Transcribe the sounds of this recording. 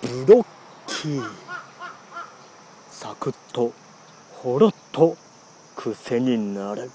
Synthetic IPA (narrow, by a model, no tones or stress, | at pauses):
bɯɾo | kʲʰi | sakɯ̟t̪ːo | hoɾot̪ʰːo | kʰɯ̟se̞ɲinaɾɯ